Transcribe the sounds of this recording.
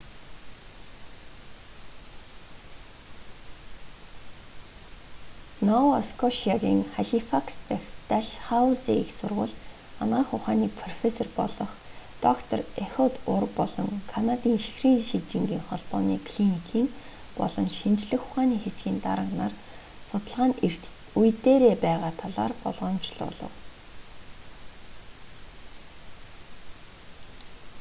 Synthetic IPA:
nɔwɔskʰɔʃiaɣʲḭːŋχaɮifakst̪ʰext̪æɮχawsiiksʊrʁʊ̰ːɮt̪ | a̰nʁaːχʊχaːniːpʰrɔfesɔrpɔɮɞ̆χt̪ɔkt̪ʰɔrexʊt̪ʊrpɔɮɞ̰̆ŋkʰanat̪iːŋʃi̥xriːŋʃit͡ɕɪ̆ŋɡiːŋχɔɮpɔːnḭːkʰɮinikʰiːŋ | pɔ̰ɮɞ̆nʃint͡ɕɮɘ̆xʊχaːniːxesɡʲiːnt̪a̰ɾə̆ʁnaːr | sʊt̪ə̆ɮʁaːnir̥t̪ | ujt̪eːɾeːpæːʁaːt̪ʰɔɮa̰ːrpɔ̰ɮʁɔːmt͡ɕɮʊ̰ːɮɞ̰̆w

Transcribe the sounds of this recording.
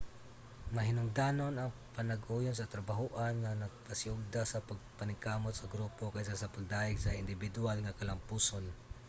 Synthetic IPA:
mɐɦɪnʊŋd̪aːnonɐŋpanaɡuːjʊns̬ɐt̪ɾɐbaɦuʔanŋanɐɡ̚pasɪʊɡ̚d̪asɐpaɡ̚panɪŋkaːmot̪̚sɐɡɾuːpokajsasapaɡ̚d̪aːʔɪɡsaɪnd̪ɪbɪd̪ʊalŋakɐlampuːson

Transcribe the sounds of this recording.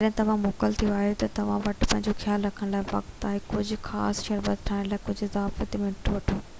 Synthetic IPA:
ɐɗ̃t̪ɐʋ̤ãmoːkəlt̪ʰiuaːɦijot̪ɐt̪ɐʋ̤ãʋɐʈpɐ̃ɦɪ̃ɲd͡ʑoxjaːlɾɐkʰəɽ̃laːɪʋɐ̰kt̪aːɦɪkʊd͡ʑʱʊ̆xa̰ːsʃɐɾbət̪ʈʰaːɪñlaːɪkʊd͡ʑʱʊɪzaːfət̪emɪ̃ʈʰuʋɐʈʰoː

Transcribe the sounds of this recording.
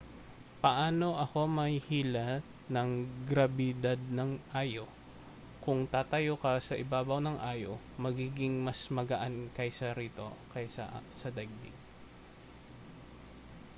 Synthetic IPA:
pɐʔaːno̞ʔɐko̞mɐjhiːla | nɐŋɡɾɐbɪd̪ad̪̚nɐŋʔaːjo | kʊŋt̪aːt̪ɐjokɐsɐʔɪbaːbɐwnɐŋʔaːjo̰ | mɐɡiːɡɪŋmɐsmɐɡɐʔankɐjsɐɾiːt̪o̞̰kɐjsɐ̰ʔsɐd̪ɐɡ̚b̪ɪ̰ŋ

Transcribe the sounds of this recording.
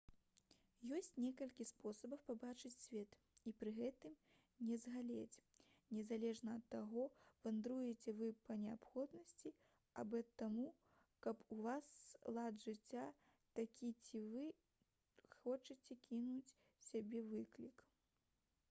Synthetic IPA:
jɔsʲt͡sʲnʲɛkɐlʲkʲispɔsɐbɐwpabat͡ʂɨt͡sʲsʲvʲɛt̪ | ipɾɨɣɛt̪ɨm | nʲɛzɣalʲet͡sʲ | nʲɛzalʲɛʐnɐɐt̪ːaɣɔv̥ɐnd̪ɾujɛt͡sʲɛvɨpɐnʲɛapxɔd̪nɐsʲt͡sʲi | a̰bɨɐt̪ːamu | kɐpuvaslˠad̪ʐɨt͡sʲːa | t̪akʲit͡sʲivɨ | xɔt͡ʂɨt͡sʲɛkʲʰinut͡sʲ | sʲabʲɛvɨklʲik

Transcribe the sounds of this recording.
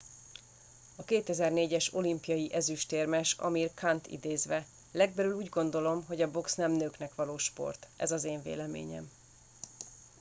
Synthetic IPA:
ɒkeːt̪ɛzɛrneːɟɛʃo̞limpijɒjiʔɛzyʃt̪eːrmɛʃɒ̰mirkʰant̪ḭd̪eːzʋɛ | lɛɡ̚bɛlyluːɟɡo̞n̪d̪o̞lo̞mɦo̞ɟɒbo̞ksnɛmnøːknɛkʋɒloːʃpo̞̰rt̪ʔɛ̰zɒzeːɱvḛːlɛmḛːɲɛ̰m

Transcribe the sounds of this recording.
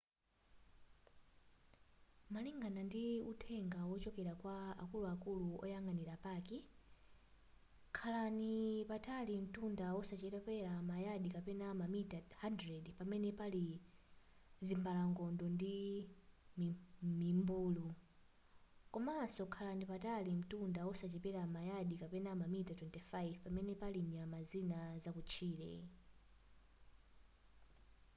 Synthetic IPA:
maliŋɡanandiutʰɛŋɡawɔt͡ʃɔkɛɾakwaa̰kuluakuluɔ̰jaŋɡaniɾapaːkɛ | kʰalanipatʰalim̩tundawɔsat͡ʃɛɾɛpɛɾamajaɗikapɛnamamitahandɾɛdpamɛnɛpali | zimbalaŋɡɔndɔndi | mmimbuːlu | kɔmasɔkʰalandipatalim̩tundawɔsat͡ʃɛpɛɾamajaɗikapɛnamamitatwɛntɛfajvpamɛnɛpaliɲamazinazakut͡ʃʰiːlɛ̰

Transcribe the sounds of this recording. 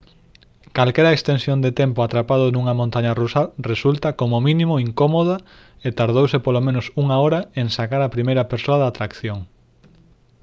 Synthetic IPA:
kalkɛɾɐekst̪ensjond̪et̪empʊat̪ɾapaðʊnuŋɐmõnt̪aɲarusaresult̪ɐkomomĩnĩmoiŋkomoða | et̪aɾðowsepolomẽnʊsuŋaoɾɐeŋsakaɾapɾimejɾɐpeɾsoɐðat̪ɾakθjoŋ

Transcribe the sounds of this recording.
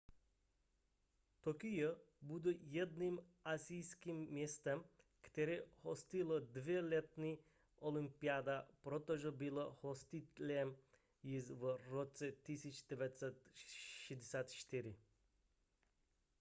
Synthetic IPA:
t̪ɔkijɔbud̪ujɛd̪nimasijskimːjɛst̪ɛm | kt̪ɛɾɛhɔst̪ilɔd̪vɛlɛt̪ni | ʔolimpiad̪apɾɔt̪ɔʒɔbilɔhɔst̪it̪lʲɛm | jizvɾɔt͡sɛt̪isit͡ʃd̪̥ɛvat̪sɛt̪ʃɛd̪ɛsʲaːt̪ʃt̪iɾi

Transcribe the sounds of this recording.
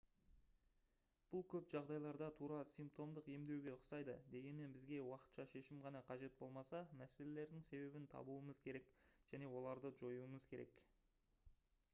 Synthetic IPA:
b̥ʊlˠkʲʰɵpʒ̥ɑʁd̪ɑjlˠɑɾd̪ɑt̪ʰuɾɑsijmp̚t̪o̞md̪əqe̞md̪e̞wɡʲe̞ʊsɑjd̪əd̪e̞ɡʲe̞nme̞nbɪzɡʲe̞wɑqə̥t̪ʃɑʃe̞ʃɪmʁɑnɑqʰɑʒe̞t̪̚bo̞lˠmɑsɑmæse̞le̞le̞ɾd̪ɪŋse̞βe̞bɪnt̪ʰɑ̰buəməzkʲʰe̞ɾe̞kʒ̥æne̞wo̞lˠɑɾd̪əʒo̞juəməzkʲʰe̞ɾe̞̰k

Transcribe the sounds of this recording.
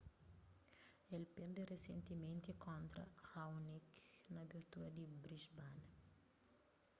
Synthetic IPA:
ɛlpend̪eresent̪imẽnt̪ikʰɔnt̪ɾɐ̰xawniknɐbirt̪uɐd̪ibɾiʃban

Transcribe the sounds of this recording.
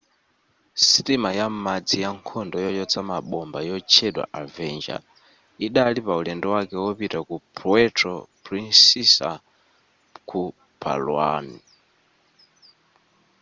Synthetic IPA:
sitimajam̩mad͡zijaŋkʰɔndɔjɔjɔt͡sʰamaɓɔmbajɔt͡ʃʰɛɗwa̰ʔavɛnd͡ʒa̰ | iɗalipaulɛndɔwakɛwɔpitakupʰɾuɛtʰrɔpɾinsisa̰ | kʰu | pʰa̰lwa̰ni

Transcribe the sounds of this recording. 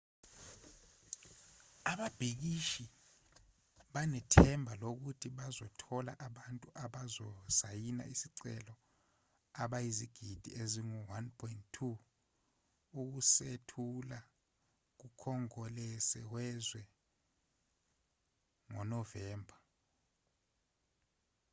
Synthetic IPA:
aɓab̥ʱik̬iʃi | ɓanɛtʰɛmbʱalok̬utʰiɓazɔtʰɔla̰ʔaɓantʼuʔaɓazɔsajina̰isiǀɛ̰lɔ | aɓajiziɡ̥ʱid̥ʱḭeziŋuwanpʰɔinttʰːu | uk̬usetʰula | k̬ukʰɔŋɔlɛsɛwɛzwɛ | ŋɔ̰nɔvɛːmbʱa

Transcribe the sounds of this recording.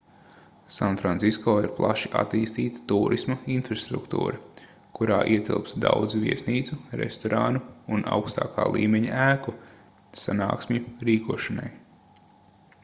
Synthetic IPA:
sanfɾansiskɔːiɾplˠaʃiʔa̰t̪iːst̪iːt̪ḁt̪uːɾʔismɐinfɾast̪ɾṵkt̪ṵːɾɐ | kuɾaːʔiɛt̪ilˠpsd̪awd̪zviɛsniːt̪suɾḛst̪ɔɾʔaːnuunʔa̰wkst̪aːka̰ːlˠḭːmɛɲaʔæːku | sana̰ːksmʲuɾiːkuɔʃana̰j

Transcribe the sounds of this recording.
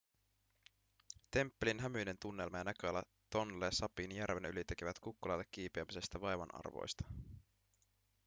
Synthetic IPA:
t̪e̞mpːelinɦæmyjne̞nt̪unːe̞lmɑjɑnæk̟øɑlːɑ | t̪o̞nlesɑpinjærʋe̞nylit̪e̞k̟eʋæt̪kukːulɑjlːekːiːpeɑmise̞st̪æʋɑjʋɑ̰nɑ̰rʋo̞̰jst̪ɑ̥

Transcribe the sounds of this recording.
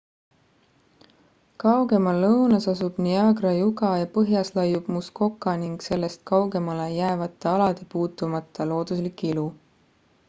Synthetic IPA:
kɑwɡe̞mɑlːɤwnɑsɑsub̥niɑɡɾɑjuɡɑjɑpɤɦjɑslɑjub̥musko̞kːˑɑniŋɡ̥se̞lːe̞st̪̚kɑwɡe̞mɑle̞jæevɑt̪ːˑeɑlɑd̪̥e̞puːt̪ːˑumɑt̪ːˑɑlo̞ːd̪̥uslikːˑilu

